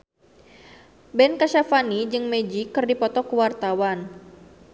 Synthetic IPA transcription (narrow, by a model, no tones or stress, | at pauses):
bɛnkaʃafanid͡ʒɨŋmed͡ʒikɨrdipɔt̪ɔkəwart̪awan